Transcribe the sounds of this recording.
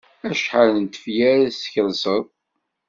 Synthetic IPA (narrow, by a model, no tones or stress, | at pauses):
æʃħələnt̪ə̥fjæɾsçəlsəðˤ